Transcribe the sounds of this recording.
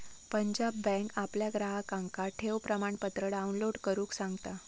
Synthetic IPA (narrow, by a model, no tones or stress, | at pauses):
pəɲd͡ʑabːɛ̃kapljaɡɾaɦakãŋkaʈʰewpɾəmaɳpət̪ɾəɽaunloɽkəɾũːksãŋɡt̪a